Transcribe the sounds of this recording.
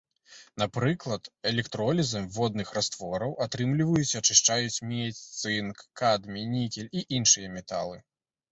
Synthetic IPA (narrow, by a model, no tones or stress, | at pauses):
napɾɨklˠɐt̪ɛlʲɛkt̪ɾɔlʲizɐmʲvɔd̪nɨxrast̪vɔɾɐwʔat̪ɾɨmlʲivɐjut͡sʲɐt͡ʂɨʂt͡ʂajut͡sʲmʲɛt͡sʲt̪sɨnkːad̪mʲinʲikʲɛlʲiʔinʂɨjɐmʲɛt̪a̰lˠɨ